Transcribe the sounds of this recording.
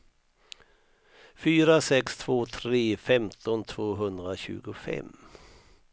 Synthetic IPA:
fyːɾasɛkst̪ʰv̥oːt̪ʰɾeːfɛmt̪ʰɔnt̪ʰv̥oːɦɵnd̪ɾaɕʉ̟̰ːɡʊfɛ̰m

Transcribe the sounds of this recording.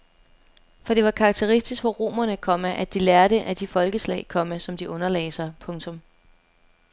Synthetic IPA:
fɒ̽d̥e̝ʋɑ̈kʰɑ̈ːɡ̥̚t͡sʰe̝ʁisd̥isɡ̥ʋɒʁo̝̰ːmɐnəkʰɒ̽məʔæd̥ilæɐɾ̥əʔæd̥ifɒ̽lɡ̥əslɛ̰ːɪkʰɒ̽məsɒ̽md̥iʔɔ̽nɐlɛ̰ːɪsɑpʰɔ̽ŋt͡sʰɔ̽m

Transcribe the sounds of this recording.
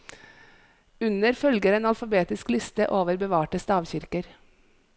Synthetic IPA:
ʉnəɾfœlɡəɾeːnɑlfɑbeːt̪ɪsklɪst̪əʔoːʋəɾbəʋɑːʈəst̪ɑːʋçɪɾkəɾ

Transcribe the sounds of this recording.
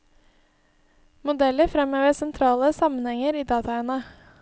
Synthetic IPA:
mʊd̪ɛləɾfɾɛmøːʋəsɛnt̪ʰɾɑːləsɑmənhɛŋəɾiːd̪ɑːt̪ɑɛnə

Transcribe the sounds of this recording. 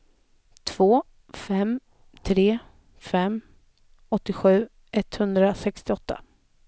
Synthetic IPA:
t̪ʰv̥oː | fɛm | t̪ʰɾeː | fɛm | ɔt̪ːɪɧʉ̟ː | ʔɛt̪ːhɵnd̪ɾasɛkst̪ɪɔt̪ːa̰

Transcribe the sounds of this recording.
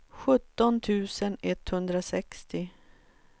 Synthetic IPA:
ɧɵt̪ːɔnt̪ʰʉ̟ːsənɛt̪hɵnd̪ɾasɛkst̪ɪ

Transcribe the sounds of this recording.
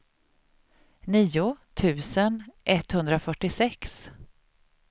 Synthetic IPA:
niːʊt̪ʰʉ̟ːsənʔɛt̪ːhɵnd̪ɾafœʈːɪsɛks

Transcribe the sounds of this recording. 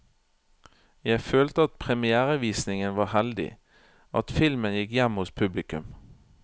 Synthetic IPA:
jæɪføːlt̪əɑt̪̚pʰʁɛmɪæːʁɑʋiːsnɪŋənʋɑːhɛld̪ɪ̰ | ʔɑ̰t̪fɪlmənjɪkjɛmːhʊspʰʉblɪkʉm

